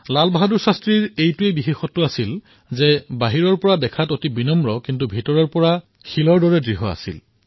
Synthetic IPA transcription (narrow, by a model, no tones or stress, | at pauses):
lalbaɦaduɹsastɹiɹejtuebixexɔtːʊasil | zɛbaɦiɹɔɹpɔɹadɛkʰatotibinɔmɹɔkintubʱitɔɹɔɹpɔɹa | xilɔɹdɔɹɛdɹiɦɔa̰sḭl